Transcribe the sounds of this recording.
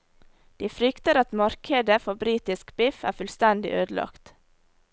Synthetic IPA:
d̪̥iːfɾʏkt̪əɾɑt̪mɑɾkʰəd̪əfɔbɾiːt̪ɪskbɪfæ̰ːfʉlst̪ɛnd̪ɪ̰ʔøːd̪l̩ɑ̰kt̪

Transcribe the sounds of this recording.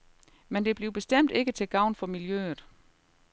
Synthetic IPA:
mend̥e̝b̥liʊb̥e̝sd̥em̰d̥e̝ɡ̥ət͡sʰe̝ɡ̥ɑ̈ʊ̰nfɒ̽miljø̰ːð̩ˠ

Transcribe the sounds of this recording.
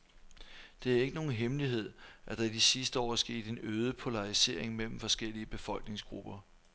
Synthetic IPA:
d̥e̝æɐe̝ɡ̥əno̝ːn̩ɦemliɦe̝ð̞̰ˠʔæd̥ɑ̈id̥isisd̥əɒ̰ːsɡ̥e̝̰ːd̥e̝nøːðˠəpʰo̝lɑ̈ʁise̝ɐ̰eŋmel̰m̩fɒ̽sɡ̥el̰iəb̥e̝fɒ̽l̰ɡ̥ne̝ŋsɡ̥ʁṵb̥ɐ

